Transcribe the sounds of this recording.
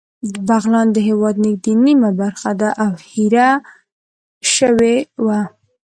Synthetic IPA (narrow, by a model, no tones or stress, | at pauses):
d̪əbaɣlɑnd̪əɦewɑd̪nɪɡ̚d̪inimabaɾxad̪aʔawhiɾa | ʃəwewa